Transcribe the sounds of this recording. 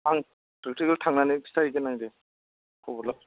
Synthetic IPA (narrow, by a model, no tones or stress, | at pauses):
aŋ | pɾek̚tikaltʰaŋnanistajɡenajde | kʰɔbɔla